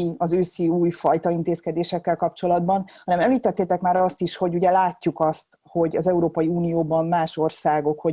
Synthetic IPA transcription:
iɒzøːsiuːjfɒjt̪ɒint̪eːskɛd̪eːʃɛkːɛlkɒp̚t͡ʃo̞lɒd̪bɒnhɒnɛmɛmliːt̪ɛt̪ːeːt̪ɛkmaːɾɒst̪iʃho̞ɟuɟɛlaːcːukɒst̪ | ho̞ɟɒzɛuɾoːpɒjiuːnijoːbɒmmaːʃo̞rsaːɡo̞kho̞

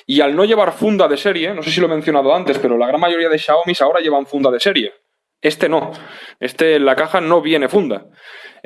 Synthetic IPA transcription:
ialno̞ʎe̞β̞aɾfund̪aðe̞se̞ɾje̞no̞se̞siloeme̞n̟θjo̞naðo̞ant̪e̞spe̞ɾolaɣ̞ɾanmaʝo̞ɾiað̞e̞ʃaomisao̞ɾaʝe̞βaɱfund̪að̞e̞se̞ɾje̞ | e̞st̪e̞no̞e̞st̪e̞lakaxano̞βje̞ne̞fund̪a̰

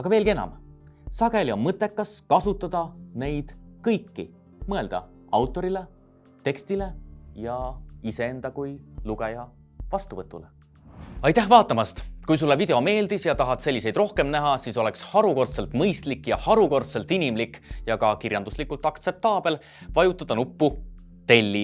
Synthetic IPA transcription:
ɑɡ̥ɑve̞ːlɡie̞nɑ̰m | sɑɡe̞liomɤt̪ˑːe̞kːɑskɑsut̪ːˑɑd̪̥ɑne̞jd̪̥kɤjkːi | mɤe̞ld̪̥ɑ̰ | ɑwt̪ːˑo̞ɾile̞ | t̪e̞kst̪ile̞jɑise̞end̪̥ɑkujluɡejɑ | vɑst̪uvɤt̪ːˑulḛ | ɑjt̪ːæhvɑːt̪ːˑɑmɑst̪kujs̬ulːevid̪e̞o̞me̞ːld̪̥isjɑt̪ɑɦɑt̪se̞lʲːise̞jd̪ro̞hke̞mnæɦɑsiso̞le̞kshɑɾuko̞rt̪se̞lt̪mɤjst̪likːjɑhɑɾuko̞rt̪se̞lt̪inimlikːjɑkɑkirjɑnd̪uslikːˑult̪ːˑɑkt̪se̞p̚t̪ɑːb̥e̞l | vɑjut̪ːˑɑd̪̥ɑnupːu | t̪e̞lʲːi

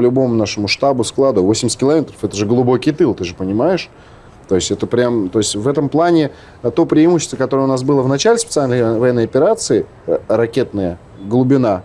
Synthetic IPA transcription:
lʲʊbo̞mʊnaʂəmʊʂt̪abʊsklˠad̪ʊvosʲɪmʲɪsʲt̪ʲɪlˠɐmʲet̪ɾəfɛt̪əʐɨɡəlˠʊbo̞kʲijt̪ɨlˠt̪ɨʐɨpənʲɪmajɪʂ | t̪o̞ɪsʲtʲɛt̪əpɾʲamt̪o̞ɪsʲtʲvɛt̪əmplˠanʲɪ | t̪opɾʲɪːmuɕːɪ̥st̪vəkɐt̪o̞ɾəjʊnas̬bɨlˠəvnɐt͡ɕalʲɪspʲɪt̪sɨalʲnəjvɐjɛnːəjɐpʲɪɾat̪sɨɪ | ɾɐkʲe̞t̪̚nəjə | ɡlˠʊbʲɪna

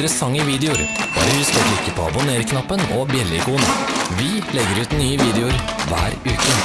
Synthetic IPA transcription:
ɾəsɑŋːəʋiːd̪ɛʊɾb̥ɑ̰ːɾəhʉst̪ɔblɪkːəpʰoːɑ̰bʊneːɾkʰnɑpːənɔbjɛləɪkuːnəʋɪlɛɡːəɾʉːt̪nyːəʋiːd̪ɛʊɾʋæ̰ːɾʉːkə

